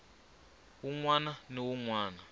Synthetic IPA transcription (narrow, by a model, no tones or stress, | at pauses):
wuŋwananiwuŋwaːna